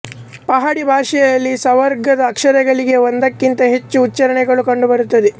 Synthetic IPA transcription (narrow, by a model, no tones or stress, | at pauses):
pɐɦaːɽibʱaːʂɛjɐjɐlːisɐʋɐɾɡɐd̪ɐːkʂɐɾɛɡɐɭiɡe̞ond̪ɐkːint̪ɐɦe̞t͡ʃːuːtːt͡ʃɐɾɐɳɛɡɐɭukɐɳɖubɐɾut̪ːɐd̪e